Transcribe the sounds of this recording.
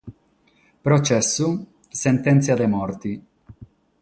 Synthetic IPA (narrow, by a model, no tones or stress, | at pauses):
pɾot͡ʃɛsːu | sent̪ɛnt̪siad̪emɔɾt̪i